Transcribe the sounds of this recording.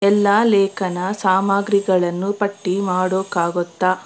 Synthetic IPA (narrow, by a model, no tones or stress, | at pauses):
ɛlːaːlɛːkɐnɐsaːmaːɡɾiɡɐɭɐnːupɐʈːimaːɽoːkaːɡɔt̪ːa